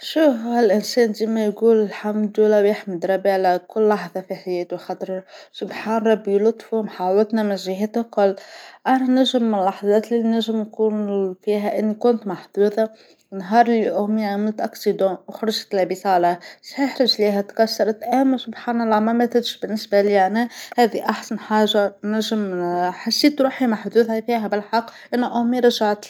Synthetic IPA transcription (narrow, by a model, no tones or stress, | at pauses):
ʃuːfɪlʔɪnsɛːnziːmæjɡuːlɪlħamd̪ulæwjɪħmɪd̪ɾˤɑbiʕlakʊlːɑħðˤɑfiħajɛːt̪uxɑt̪ˤɾsʊbħaːnɑɾˤɑbːjlʊt̪ˤːfumħawɪt̪næmɪnʒɪɦæːt̪akʊlːʔanænæʒɪmːɪnlːɑħðˤɑːt̪liːinæʒɪmnkuːnfiːɦæʔɪnːikʊnt̪maħd̪uːðɑ | wnɦɑːɾˤlːiʔʊmiʕamɪlt̪ʔɑksid̪ɑ̃ːwxɑɾˤɑʒt̪læbisalashɪħɾˤɪʒliːɦæt̪kɑsːɑɾˤɑt̪ʔæmsʊbħaːnɑlˤːɑmæmæθɪt̪ʃbɪnːɪsbælianæhæːðiʔaħsanħaːʒːanæʒɪmħasːiːt̪ɾuːħimaħd̪uːðhæfiːɦæbɪlħɑqːʔɪnːuʔʊmiɾˤɑʒaʕt̪